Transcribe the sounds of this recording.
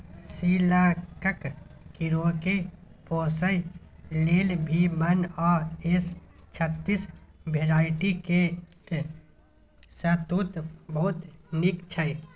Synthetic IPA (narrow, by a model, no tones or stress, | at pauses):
siːlakəkkiɾokepoːsəj | leːlbʱimənɔːest͡ʃʰət̪ːisbʱeːɾaːɪʈike | sət̪ut̪bəɦʊt̪nikt͡ʃʰəi